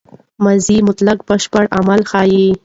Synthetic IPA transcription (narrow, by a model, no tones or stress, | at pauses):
mazimʊt̪lak̚bəʃpəɽamalxɑːji